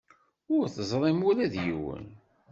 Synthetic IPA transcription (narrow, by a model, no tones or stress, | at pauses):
ʊɾθəzˤɾˤɪmʊɾæðjḭwə̰n